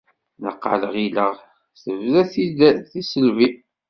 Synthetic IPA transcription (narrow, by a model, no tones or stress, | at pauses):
nə̰qːə̰ləʁiləʁ | θəvðæθiθisəlvi